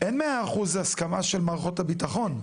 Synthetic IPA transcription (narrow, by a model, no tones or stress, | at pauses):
ʔenmeaːχuzeaskamaʃelmaʁχo̞thabit̪aχo̞n